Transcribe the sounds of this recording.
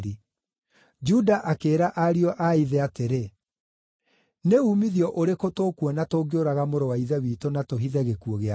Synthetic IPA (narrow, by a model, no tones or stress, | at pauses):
ɾi | d͡ʒudaʔakeːɾaʔaɾiɔʔaiðɛateɾe | neuːmiðjɔʔoɾekotoːkwɔnatoːɡeoɾaɣamoɾɔwaiðɛwiːtonatoɦiðɛɣekuɔɣea